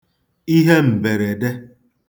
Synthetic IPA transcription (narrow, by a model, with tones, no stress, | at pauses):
i˦ɦe˦m̩˨be˨ɾe˨de˦